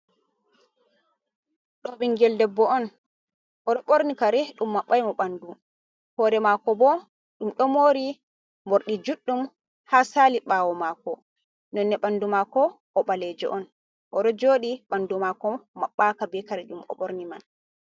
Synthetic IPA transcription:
ɗɔɓiŋɡɛldɛbːɔɔn | ʔɔɗɔɓoɾnikaɾɛɗumːaɓːajmɔɓandu | hɔɾɛmakɔbɔ | ɗumɗɔmoːɾi | moɾɗid͡ʒuɗːum | haːsaːliɓaːwɔmakɔ | nɔnːɛɓandumakɔ | ʔɔɓalɛd͡ʒɛ̰ʔɔn | ʔɔɗɔd͡ʒoːɗiɓandumakɔmaɓːakabɛkaɾɛɗumɔ̰ɓoɾniman

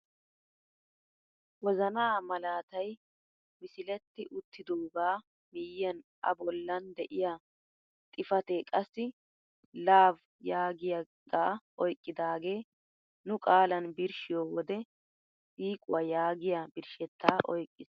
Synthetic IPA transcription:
wɔzɐnaːmɐlaːt̪ɐj | mɪsɪlɛt̪ːɪʔʊt̪ʰːɪd̪oːɡaː | mijːɐnʔɐ̰bɔlːɐnd̪ɛʔɪja | t̪ʼɪfɐt̪eːkʼɐsːɪ | laːv | jaːɡɪja | ɡaːʔɔjkʼːɪd̪aːɡeː | nʊkʼaːlɐnbɪɾʃɪjoːwɔd̪ɛ | siːkʼʊwɐjaːɡɪjabɪɾʃɛt̪ːaːʔɔjkʼːɪs

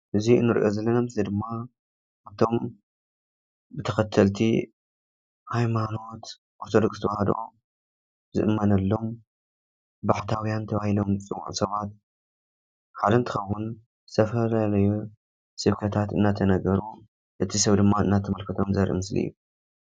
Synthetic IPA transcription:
ʔɨziɨnːɨɾʔozɐlːɐnamɨslid̪ɨmːa | ʔaβt̪ʰo̞m | bɨt̪ʰɐxɐt̪ʰɐlt̪ʰi | hajmano̞t̪ | ʔo̞ɾt̪ʰod̪o̞kst̪ʰɐbahad̪o̰ | zɨ̰ʔɨmːɐnɐlːo̞m | baħt̪ʰawjant̪ʰɐβahilo̞mt͡sʼɨwṵʔsɐβat̪̚ | ħad̪ɐnt̪ʰɨxɐwun | t̪ʰɐfɐlalɐju | sɨβkʰɐt̪ʰat̪ɨnːat̪ʰɐnɐɡɐɾu | ʔɨt̪ʰisɐβd̪ɨmːaɨnːat̪ʰːɐmɐlkʰɐt̪ʰomzɐɾʔḭmɨslḭjːu

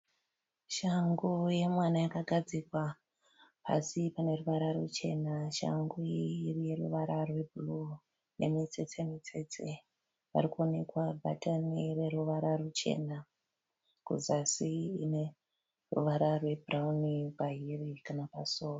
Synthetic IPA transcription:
ʃaŋɡuje̞mwanajakaɡʱad͡zikwa | pa̰sipane̞ruʋaɾarut͡ʃe̞naʃa̰ŋɡuirije̞ruʋaɾarwe̞bʱulu | ne̞mit͡se̞t͡semit͡se̞t͡se̞ | ʋa̰ɾikuo̞ne̞kwabʱa̰tanire̞ɾuʋaɾarut͡ʃe̞̰na | kṵzasiine̞ | rṵʋaɾarwe̞bʱuraunipaɦirikanapaso̞ːro

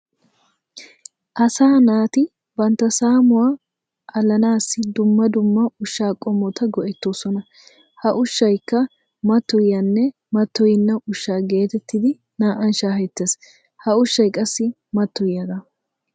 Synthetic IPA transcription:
ʔɐsaːnaːt̪ɪ | bɐnt̪ːɐsaːmʊwaː | ʔɐlːɐnaːsːɪd̪ʊmːɐd̪ʊmːɐʊʃːaːkʼɔmːɔt̪ɐɡɔʔɛt̪ːoːsɔnɐ | hɐʔʊʃːɐjkːɐ | mɐt̪ːɔjanːɛ | mɐt̪ːɔjɪnːɐʊʃːaːɡe̞ːt̪ɛt̪ːɪd̪ɪ | naːʔɐnʃaːhɛt̪ːeːs | hɐʊʃːɐjkʼɐsːɪ | mɐt̪ːɔjːɐd̪ɐ

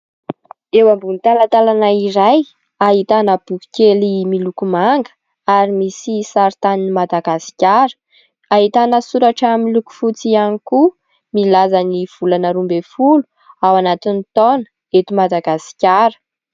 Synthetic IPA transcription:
ewambunt̪alat̪alanaiɾaj | aɦit̪anəb̥uki̥kʲelimilukumaŋɡə̥ | aɾimisisaɾit̪aninimad̪aɡasi̥kʲaɾə̥ | aɦit̪anəsuɾaʈ͡ʂamiluku̥fut͡sianiku | milazaniv̥ulanəɾumbefulu | awanat̪init̪ɔnə̥ | et̪imad̪aɡasi̥kʲaɾə̥

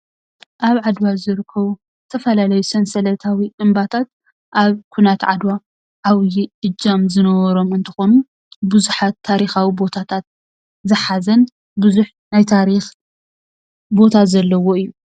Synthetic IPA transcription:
ʔaβʕad̪wazɨɾɨkʰːɐβu | zɨt̪ʰɐfɐlalɐjusɐnsɐlɐt̪ʰawiʔɨmbat̪ʰat̪̚ | ʔaβkʰunat̪ʕa̰d̪wa | ʔaβjiʔɨd͡ʒamzɨnɐwɐɾo̞mɨnt̪ʰɨ̥xo̞nu | bɨzuħat̪ʰːaɾixawibo̞t̪ʰat̪ʰat̪̚ | zɨħazɐn | bɨzuħ | najt̪ʰaɾix | bo̞t̪ʰazɐlːɐwo̞ɨjːu

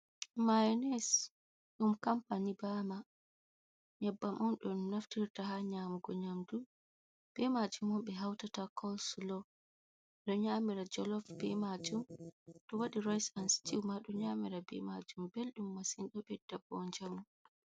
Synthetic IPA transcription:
majnɛs | ɗumkampanibama | ɲabːamʔɔnɗɔnːaftiɾtaɦaɲaːmuɡɔɲamdu | b̥ɛmad͡ʒumɔmɓɛɦawtatakʰɔlslɔ | ɗɔɲamiɾad͡ʒɔlɔfbɛmad͡ʒumɗɔwaɗiɾɔjsansi̥tiwmaɗɔɲamiɾabɛ̰mad͡ʒumbelɗumːasinɗɔɓɛdabɔɲd͡ʒamu

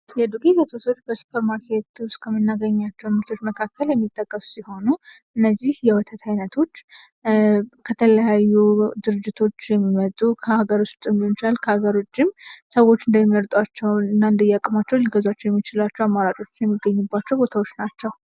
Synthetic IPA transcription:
jɛd̪ukʼezət̪ʰoso̞t͡ʃːbəsu̥pʰəɾmaɾkʰet̪ʊst̪ʼkʰəmːɨnːaɡəɲːat͡ʃːɛwnmɨɾt̪ʰo̞t͡ʃːməkʰakʰːəljɛmːit̪ʼːəkʼːəsu̥siho̞nuʔɨnːəzːihjɛwət̪ʰət̪ʰajnət̪ʰo̞t͡ʃː | kʰət̪ʰələjajːud̪ɨɾɨd͡ʒːɪt̪ʰo̞t͡ʃːjɛmːimət̪ʼukʰəhaɡəɾust͡ʃ̪ʼɨmint͡ʃɪlalkʰəhaɡəɾo̞t͡ʃːɪmsəwo̞t͡ʃːɨnd̪əjɛməɾt̪ʼat͡ʃːɛwɨnːaɨnd̪əjakʼɨmat͡ʃːɛwliɡəzat͡ʃːɛwjɛmːit͡ʃɪlat͡ʃːɛwamːaɾat͡ʃʼo̞t͡ʃːɪnjɛmːiɡːəɲːubːat͡ʃːɛwbo̞t̪ʰawo̞t͡ʃːnat͡ʃːɛw

